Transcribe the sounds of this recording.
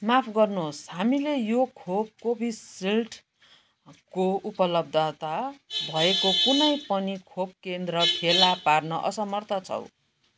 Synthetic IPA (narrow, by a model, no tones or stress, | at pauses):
mapʰɡʌrnosɦamilejokʰob̚kobʱisilʈʰ | koupʌlʌb̚d̪ʱʌt̪abʱʌekokunʌjpʌnikʰob̚kend̪rʌpʰelaparnʌʔʌ̰sʌmʌrt̪ʰʌt͡sʰʌ̰w